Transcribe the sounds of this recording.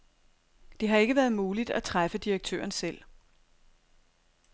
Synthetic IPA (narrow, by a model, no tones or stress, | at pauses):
d̥e̝ɦɑ̈e̝ɡ̥əʋæːɐð̞ˠmuːlid̥æt͡sʰʁafəd̥iʁɐɡ̥̚t͡sʰø̰ːɐnsel̰